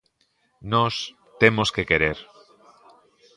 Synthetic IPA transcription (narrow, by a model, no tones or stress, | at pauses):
nos | t̪emoskekeɾeɾ